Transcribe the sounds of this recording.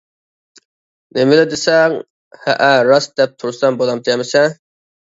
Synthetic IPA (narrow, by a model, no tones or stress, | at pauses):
nemɪlɪd̪esɛŋ | hæ̰ʔæɾɑsd̪̥ɛp̚t̪ʰʊɾʊsɛmbolˠɑmd̪ʰjɛmɪsɛ